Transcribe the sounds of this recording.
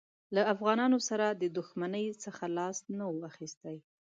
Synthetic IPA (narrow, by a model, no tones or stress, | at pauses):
laafɣɑnɑnosaɾad̪əd̪ʊxmanəjsəxalɑst̪nawəaxist̪aj